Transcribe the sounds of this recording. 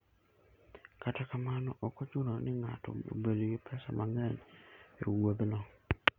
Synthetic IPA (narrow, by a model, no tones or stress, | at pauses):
katakamanɔʔɔkɔt͡ʃʊnɔnɪŋatɔ̰o̰bedoɡɪpʰɛsa̰mʔaŋɛnḛwod̪nɔ